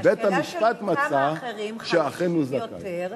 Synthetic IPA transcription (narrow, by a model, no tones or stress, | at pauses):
bet̪hamiʃpat̪mat͡saʃeaχenuzaka̰